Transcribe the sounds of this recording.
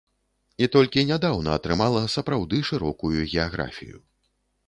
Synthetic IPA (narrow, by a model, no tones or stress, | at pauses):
it̪ɔlʲkʲinʲad̪awnɐːt̪ɾɨmalˠɐsɐpɾawd̪ɨʂɨɾɔkujuɣʲɛaɣɾa̰fʲḭjṵ